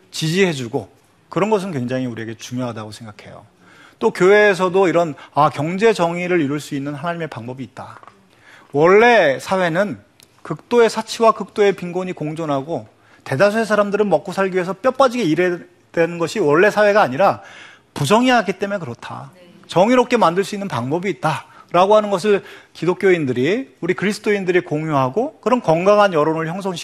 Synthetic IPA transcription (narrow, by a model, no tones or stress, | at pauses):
t͡ɕid͡ʑiɦe̞d͡ʑuɡo | kɯɾʌnɡʌs̬ʰɯnkwe̞ŋd͡ʑaŋiuɾie̞ɡe̞t͡ɕuŋjoɦadaɡosʰeŋɡakʰe̞jo̰ | t͈okjowe̞ːs̬ʰʌdoiɾʌnakjʌŋd͡ʑe̞t͡ɕʌŋiɾɯɾiɾuɭs͈uinːɯnɦanaɲime̞paŋbʌbiːt̚t͈a | wʌɭːe̞sʰawe̞nɯn | kɯk̚t͈oe̞sʰat͡ɕʰiwakɯk̚t͈oe̞piŋɡoɲikoŋd͡ʑonɦaɡo | te̞das̬ʰoesʰaɾamdɯɾɯnmʌk͈̚osʰaɭɡiɥesʰʌp͈jʌp͈ad͡ʑiɡeiɾe | dwenɯnɡʌɕʰiwʌɭːe̞sʰawe̞ɡaːɲiɾa | pud͡ʑʰʌŋiɦaɡit͈e̞mekɯɾʌtʰa̰ | t͡ɕʌŋiɾop̚k͈ʰe̞mandɯɭs͈uinːɯnpaŋbʌbiːt̚t͈aɾaɡoɦanɯnɡʌs̬ʰɯɭkidok͈joindɯɾiuɾikɯɾisʰɯ̥t͈ʰoindɯɾikoŋjuɦaɡokɯɾʌnkʌŋɡaŋɦanjʌɾonɯɭçjʌŋsʰʌŋɕʰ